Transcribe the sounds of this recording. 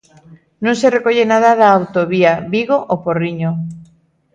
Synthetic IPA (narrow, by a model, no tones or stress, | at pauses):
nõŋserekoʎenað̞aðaːwt̪oβiaβiɣoʔoporiɲo